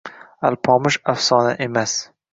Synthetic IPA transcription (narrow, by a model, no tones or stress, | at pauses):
alpʰɒmɪʃafsɒna̰ʔemas